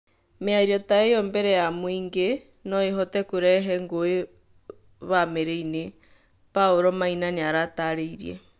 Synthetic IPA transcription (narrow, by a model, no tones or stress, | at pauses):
meaiɾiɔtaejɔmbɛɾɛjamwiŋɡe | nɔeɦɔtɛkuɾɛɦɛŋɡoe | βameɾeine | paoɾɔmainaneaɾataɾeiɾḭɛ̰